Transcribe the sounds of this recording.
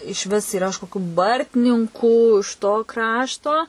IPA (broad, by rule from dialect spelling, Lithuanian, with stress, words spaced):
ɪʃʲˈʋʲɪs iːˈrɐ ɪʃ koːˈkʲuː ˈbɐrʲtʲnʲɪŋkuː ɪʃ toː ˈkrɑːʃtoː